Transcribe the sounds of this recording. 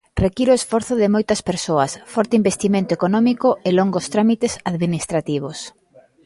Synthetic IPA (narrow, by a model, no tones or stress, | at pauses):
rekiɾoesfɔɾθʊðɪmojt̪ɐspeɾsoɐsfɔɾt̪eimbest̪imẽnt̪oekonɔmikʊeloŋɡost̪ɾamit̪esaðminist̪ɾat̪iβ̞os